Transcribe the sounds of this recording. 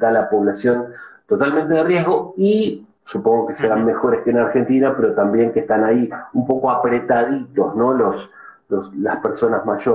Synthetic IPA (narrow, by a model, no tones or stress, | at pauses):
d̪alapo̞βlasjo̞nt̪o̞t̪almẽnt̪e̞ðerje̞ɦɣo̞i | supo̞ŋɡo̞ke̞seɾanme̞xo̞ɾeskenaɾxe̞nt̪inapeɾo̞t̪ambje̞ŋkeht̪anaiumpo̞ko̞apɾe̞t̪aðit̪o̞zno̞lo̞s | loslaspeɾso̞nazmaʒo